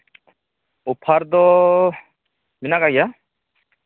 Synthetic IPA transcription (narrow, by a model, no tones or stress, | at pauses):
upʰaɾd̪ɔ | minakaja